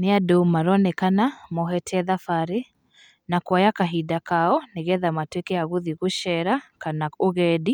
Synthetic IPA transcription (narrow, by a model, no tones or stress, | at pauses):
neadomaɾɔnɛkanamɔɦɛtʰɛðafaɾe | nakwajakaɦidakaɔneɣɛðamatwekɛaɣuðiɣuʃɛɾakanaoɣɛdi